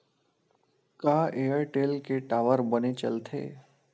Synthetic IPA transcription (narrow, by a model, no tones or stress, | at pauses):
kaːeːəɾʈeːlkeʈaːʋəɾbənet͡ʃə̰lt̪ʰḛː